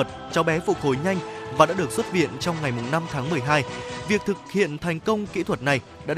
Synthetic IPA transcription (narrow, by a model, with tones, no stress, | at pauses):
ə˨˩t̚t͡ɕɔ˧˦ɓɛ˨˦fṵ˧˨to˨˦jɲa˧jŋ̟vaː˨˩ɗa̰ː˧˥ɗɨ˨˩ək̚swə˦˥t̚vḭ˧˨ənt͡ɕɔ˧wŋ͡mŋa˨˩jmʊ˨˩ŋ͡mna˧mt̪ʰaː˨˦ŋmɨ˨˩əjɦaː˧jvi˨ək̚t̪ʰɨ˨˩k̚hḭ˧˨ənt̪ʰa˨˩jŋ̟kə˧wŋ͡mkḭ˧˥t̪ʰwə˨˩t̚na˨˩j | ɗa̰ː˧˥